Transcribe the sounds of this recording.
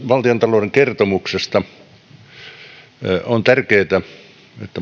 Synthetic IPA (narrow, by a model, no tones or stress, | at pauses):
ʋɑlt̪iont̪ɑloudeŋkert̪omuksest̪ɑ | ont̪ærkeːt̪æ | et̪ːæ